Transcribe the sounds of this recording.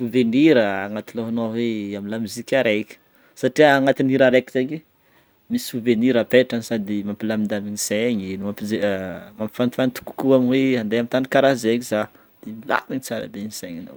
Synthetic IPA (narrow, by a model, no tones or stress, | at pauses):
suveniɾəaŋat̪iloɦanoweamilamizikʲaɾekʲə̥ | saʈ͡ʂiaːŋat̪iniɾaɾeki̥zeɲe | misuveniɾapeʈ͡ʂansad̪imampilamind̪aminiseɲinumapizemampi̥fanifant̪u̥ku̥kuaminweand̪ajamit̪anikaɾazeɲiza | d̪̥emila̰kiɲit͡saɾa̰b̪eniseɲana̰w